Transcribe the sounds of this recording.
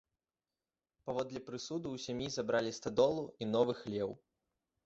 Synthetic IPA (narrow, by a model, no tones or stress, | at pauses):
pavɔd̪lʲipɾɨsud̪uwsʲamʲjizabɾalʲist̪ad̪ɔlˠuinɔvɨxlʲɛw